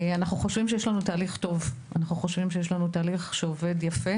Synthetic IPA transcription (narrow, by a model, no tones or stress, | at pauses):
anaχnuχo̞ʃvimʃejeʃlanutaːliχto̞vʔanaχnuχo̞ʃvimʃejeʃ̬lanutaːliχʃeove̞djafe̞